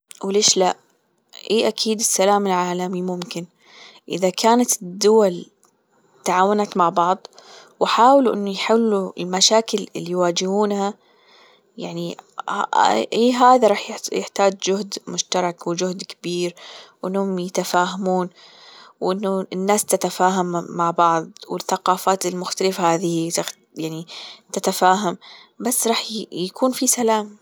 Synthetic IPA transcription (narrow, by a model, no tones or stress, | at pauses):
wleːʃlaʔ | ʔeːʔakʰiːd̪ɪsːalaːmɪlʕaːlamimʊmkɪn | ʔɪ̰ðakʰaːnat̪ɪd̪ːʊwal | t̪aʕaːwanat̪maʕbɑʕðˤ | wɪħaːwɪluʔɪnːujħɪlːuɪ̰lmaʃaːkɪlɪ̰lːijwaːd͡ʒɪhuːnha | jaʕni | ʔiːɦaːðaɾˤɑːħjjɪħt̪aːd͡ʒd͡ʒʊhd̪mʊʃt̪ɑɾˤɑkwɪd͡ʒʊhd̪kɪbiːɾwʔɪnːhʊmjɪt̪afaːɦamuːn | wʔɪnːʊnːaːst̪at̪afaːɦamːaʕbɑʕðˤwɪθːaqɑːfaːt̪ɪlmʊxt̪alɪfhaːðɪhit̪a | jaʕnit̪at̪afaːɦambasːɾˤɑːħjakʰuːnfisalaːm